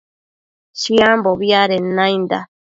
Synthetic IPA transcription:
ʃiamboβiaɾenãjnd̪a̰

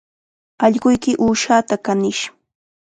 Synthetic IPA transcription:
ɑʎɢʊjkɪʔuːʃaːt̪akanɪʃ

